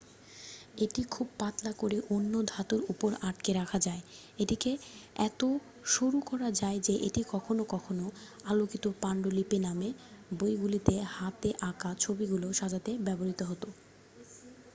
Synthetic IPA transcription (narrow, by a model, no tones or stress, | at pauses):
eʈikʰub̚pat̪lakoɾeʔonːod̪ʱat̪uɾupoɾaʈkeɾakʰad͡ʑae | ed̪ikeɛ̰t̪o | ʃuɾukɔɾad͡ʑaed͡ʑeʔeʈikɔkʰonokɔkʰonoalokit̪opaɳɖolipenamebojɡulit̪ehat̪eʔakat͡ɕʰobiɡuloʃad͡ʑat̪ebɛboɾit̪oɦot̪o